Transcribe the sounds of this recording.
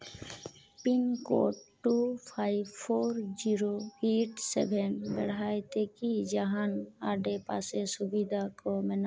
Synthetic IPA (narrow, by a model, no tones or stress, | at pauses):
pinkɔ̰ʈːupʰajbpʰɔɾd͡ʒiɾoeʈsɛbʱɛnbɛɽajt̪ɛkid͡ʒaɦanaɖɛpasɛsubid̪ʱakɔmɛna